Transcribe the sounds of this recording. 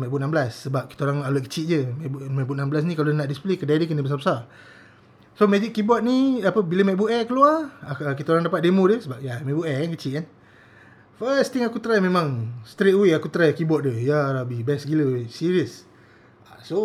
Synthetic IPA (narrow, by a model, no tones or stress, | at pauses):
mɛʔbuʔnambəlasːəbap̚ki̥t̪aoɾaŋaluʔ̚kə̥t͡ʃiʔ̚d͡ʒəmɛbuʔmɛbuʔnambəlas̬nikalonaʔdisplekədadəkənəbəs̬arbəsar | somed͡ʒiʔkibɔt̪̚niapəbiləmɛʔ̚buʔɛkəluaraəkit̪aoɾaŋdapat̪̚demodəsəbap̚jamɛʔbuʔɛkankət͡ʃiʔan | fəst̪iŋakut̪ɾajmẽmãŋst̪ɾet̪̚wiʔakut̪ɾajkibɔt̪̚dəjaɾabibɛsɡiləsiɾiəs | aso